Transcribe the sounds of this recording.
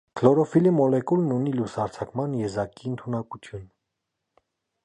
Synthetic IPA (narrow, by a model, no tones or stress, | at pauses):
kʰlɔɾɔfilimɔlɛkulnunilushɑɾt͡sʰɑkmɑnjɛzɑkiənt̪ʰunɑkut͡sʰjun